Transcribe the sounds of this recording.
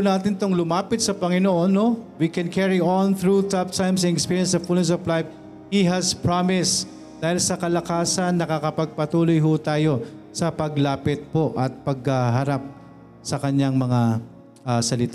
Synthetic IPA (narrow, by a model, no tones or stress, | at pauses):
naːt̪ɪnt̪oŋlʊmaːpɪt̪̚sɐpɐŋɪnoʔonːowikɛnkʰɛɹionθɹut̪ɐb̚t̪ʰajmsɐŋɛkspiːɹjɐnsɐfulnɛs̬ovlajf | hiɦɐspɹamɪs | d̪̥aːhɪlsɐkɐlɐkaːsɐnːɐkakɐpɐɡ̚pɐt̪uːlojɦʊt̪aːjo̞sɐpɐɡlaːpɪt̪̚po̞ʔɐt̪̚pɐɡ̚haɦɐɾap̚ | sɐkɐɲaŋmɐŋa | asɐlɪt̪a